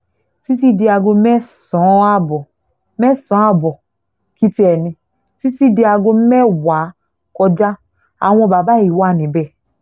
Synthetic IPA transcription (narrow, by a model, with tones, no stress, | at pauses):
si˦s̬i˦di˦a˨ɡo˧me˦sɔ̃˨˦a˦bɔ˨ | me˦sɔ̃˨˦a˦bɔ˨ | ki˦te˨ni˨ | si˦si˦di˨˦a˨ɡo˦m̩˦me˦wa˨˦ | kɔ˦da˦ | a̰˨ŋʷɔ̃˦˨ba˨ba˦i˨wa˦˨ni˨bɛ˦˨